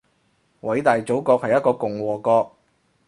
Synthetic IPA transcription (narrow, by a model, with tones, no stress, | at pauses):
wɐ˨˥jt̪aː˨jt͡so˨˥wkɔː˧k̚hɐ˨jt̚kɔː˧kʊ˨˩ŋwɔː˨˩kɔː˧k̚